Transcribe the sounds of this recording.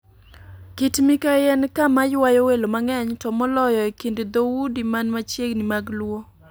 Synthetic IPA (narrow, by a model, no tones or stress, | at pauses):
kitmikajɛnkamajwajowelomaŋɛɲtɔmɔlɔjɔekended̪owudimanmat͡ʃjeɡnimaɡlwo